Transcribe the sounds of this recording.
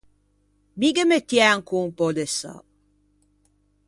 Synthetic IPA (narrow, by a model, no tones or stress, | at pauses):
miɡəmet̪jɛŋkuŋpod̪esa̰